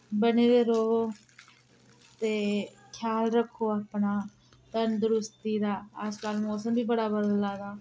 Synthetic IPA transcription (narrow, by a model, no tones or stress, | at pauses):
bəneːɾeːɾoː | t̪eː | kʰjaːlɾəkʰːoːaːpnaː | t̪ənd̪ʊɾʊst̪iːd̪aːəskaːlmɔːsəmbiːbəɽaːbəd̪laːd̪aː